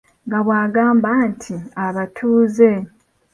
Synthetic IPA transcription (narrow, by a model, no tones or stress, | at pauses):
ŋɡaβwaːɡaːmbantʰiaβatʰuːze̞